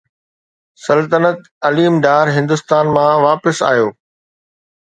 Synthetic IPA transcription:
sɐlt̪ənət̪̚ | ɐliːmɖaːɾɦɪ̃nd̪ʊst̪aːnmãːʋaːpɪsa̰ːjoː

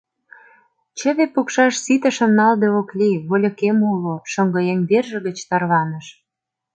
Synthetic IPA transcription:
t͡ɕə̆βepukʃɑʃsit̪ə̆ʃə̆mnɑld̪eoklʲiβolʲə̆kemuloʃəŋɡɤ̆jemberʒə̆ɣə̆t͡ɕt̪ɑrβɑnə̆ʃ

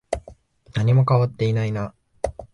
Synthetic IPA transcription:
naɲ̟imo̞kaβat̪ːe̞inaina

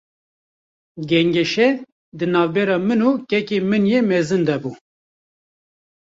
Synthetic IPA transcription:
ɡɛŋɡɛʃɛ | d̪ɨnɑːvbɛɾɑːmɨnuːkɛkeːmɨnjeːmɛzɨnd̪ɛbuː

